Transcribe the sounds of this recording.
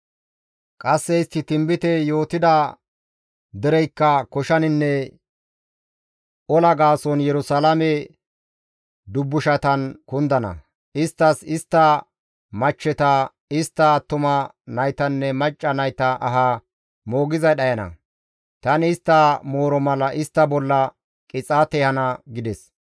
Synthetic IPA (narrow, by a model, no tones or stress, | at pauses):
kʼɐsːɛɪst̪ːɪt̪ɪmbɪt̪ɛjo̞ːt̪ɪd̪ɐ | d̪ɛɾɛjkːɐkɔʃɐnɪnːɛ | ʔɔlɐɡaːsɔnjɛɾʊsalɐmɛ | d̪ʊbːʊʃɐt̪ɐnkʊnd̪ɐnɐ̰ | ʔɪst̪ːɐsɪst̪ːɐ | mɐt͡ʃːɛt̪ɐ | ɪst̪ːɐːt̪ːʊmɐ | nɐjt̪ɐnːɛmɐt͡ʃʼːɐnɐjt̪ɐʔɐɦa | mo̞ːɡɪzɐjɗɐjɐnɐ̰ | t̪ɐnɪst̪ːɐmo̞ːɾɔmɐlɐʔɪst̪ːɐbɔlːɐ | kʼɪt͡sʼaːt̪eːhɐnɐɡɪd̪ɛs